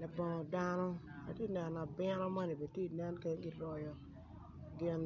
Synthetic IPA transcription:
lɛ˨bɔ˨ŋɔ˨da˦nɔ˦ | a̰˨te˦˨nɛ˨n˨na˨bɪ˦ɾɔ˦ma˦ni˨be˨tje˦i˨nɛ˦nke˨˦ɡɪ˦ɾɔ˨jɔ˨ | ɡɪ˦n

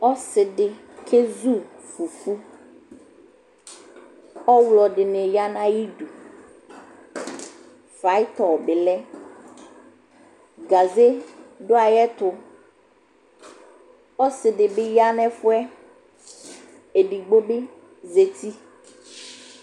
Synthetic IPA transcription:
ɔ˦sɪ˨ɖɪ˨ | kʰe˦zu˦ | fu˨fu˦ | ɔ˦wlɔ˨ɖɪ˨ne˨ja˦nã˦ji˦du˨ | fa˨˦ɪ˦t̪ɔ˨bɪ˨lɛ˦ | ɡa˨ze˦ɖʊ˦a˨jɛ˦t̪ʊ˨ | ɔ˦sɪ˨dɪ˨bɪ˦ja˦nɛ˦fʊ˦ɛ˦ | e˨ɖi˨ɡ͡bo˦bɪ˦ | ze˨t̪i˦

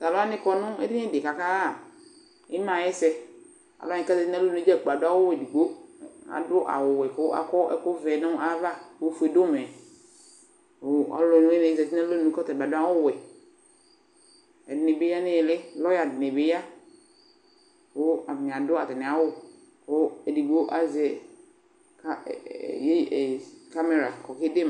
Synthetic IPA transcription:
ta˨lʊ˦a˦nɪ̃˦kɔ˦nʊ̃˦e˦dɪ˦e˦de˨ka˨ka˦a˦˨ | e˦mã˨jɛ˦sɛ˦ | a̰˨lɔ˦ɪ̃˨˦ka˦zɛ˨ti˦nɛ˦lo˦nũ˨˦d͡ʒɛ˦˨ɡ͡ba˨dʊ˦a˦wo˦wɛ˨di˨ɡ͡bo˦a̰˨dʊ˦ʔa̰˨wʊ˨wɛ˨ko˦a̰˨kɔ˦ɛ̰˦ko˦vɛ˨˦nʊ̃˦a˦va˦o˦fu˨˦e˨do˦mɛ˨ | o˨˦ɔ̰˨lɔ˨nũ˦e˦n˨zɛ˨ti˦ɛ̃˦lo˦nũ˨˦kɔ˦t̪ɛ˨ba˨dʊ˦a˦wʊ˦wɛ˨ | ɛ˨dɪ˨ne˨be˦ja˦nɪ̃˦ɛ˨lɪ˦lɔ˦ja˨dɪ˨ne˨be˦ja˦ | ko˦a˨mĩ˨a˨dʊ˦a˨t̪ɪ˨nɪ̃˨a˨wʊ˦ | ko˦e˨di˨ɡ͡bo˦ʔa˦zɛ˨˦ | kje˦e˨ka˦me˨ɾa˨kɔ˨kɪ˦de˦m˨

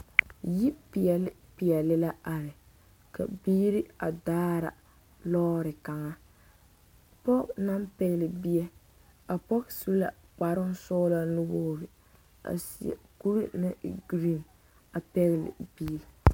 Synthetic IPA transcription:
ji˦pi˨ɛ˨lpi˨ɛ˨lɪ˦la˦a˨ɾɪ˨ | ka̰˨biː˦ɾi˦a̰˨daː˦ɾa̰˨ | lɔ˦ɾɪ˨ka˨ŋa˦ | pɔ˦kna˦mpɛ˦ɣlɪ˨bi˦ɛ˦ | a˨pɔ˦ksu˦la̰˨ | k͡pa˨ɾʊ˦nsɔ˦la˦nʊ˦boː˦ɾɪ˨ | a̰˨sḭ˨ɛ̰˨ku˦ɾi˦nɪ˦ɡɾi˦˨n | a˨pɛ˦ɣlɪ̰˨bi˦˨

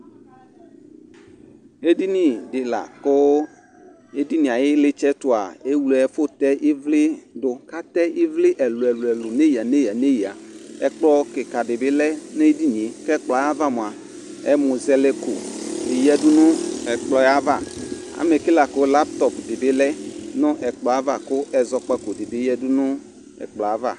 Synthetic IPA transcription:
e˦di˦nĩ˨dɪ˨la̰˨ko˦ | e˦di˦nĩ˨a˨jɪ˦le˦t͡ʃɛ˦to˨a̰˨e˦wu˦lɛ˨fo˦t̪ɛ˦ʔi˦vlɪ˦dʊ˦ka˦t̪ɛ˦ʔi˦vlɪ˦ʔɛ˨lu˨ɛ˨lu˨ɛ˨lo˨ne˦ji˨a˨ne˦ja˨ne˦ji˨a̰˨ɛ̰˦k͡plɔ˦ke˨ka˨dɪ˨bɪ˦lɛ˦n˦e˦di˦nĩ˨e˨˦kɛ˦k͡plɔ˨˦a˦va˦mõ˨a˨ | ɛ˦mʊ˨zɛ˦le˦ko̰˨ɪ˨jɛ˦dʊ˦nʊ̃˦ɛ˨k͡plɔ˦a˦va˦˨ | a̰˨me˨ki˦la˨kʊ˦la˦p̚t̪ɔ˨pdɪ˨bɪ˦lɛ˦nʊ̃˦ʔɛ˨k͡plɔ˨˦a˦va˦˨kʊ˦ʔɛ˨zɔ˨k͡pa˦ko˨dɪ˨bɪ˦ɛ˦dʊ˦nʊ̃˦ | ɛ̰˨k͡plɔ˨a˦va̰˦˨

